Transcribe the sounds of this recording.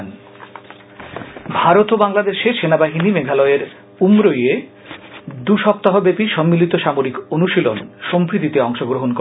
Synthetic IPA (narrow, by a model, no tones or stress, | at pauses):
n | bʱaɾot̪obaŋlad̪eʃeɾʃenabaɦinimeɡʱalɔeeɾ | umɾoje | d̪uʃɔp̚t̪aɦobepiʃɔmːilit̪oʃamoɾikonuʃilonʃompɾit̪it̪eɔŋʃoɡɾoɦonko